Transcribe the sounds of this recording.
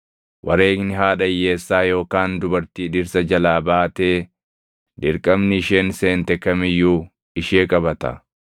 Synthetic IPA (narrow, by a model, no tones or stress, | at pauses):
wʔɐ̰ɾe̞ːɡnɪɦaːᶑɐjːe̞ːsːaːjo̞ːkaːnd̪ʊbɐɾt̪iːᶑɪɾsɐd͡ʒɐlaːbaːt̪eː | d̪ɪɾkʼɐmnɪɪʃeːnseːnt̪ɛkːɐmɪjːuː | ɪʃeːkʼɐbɐt̪ɐ̰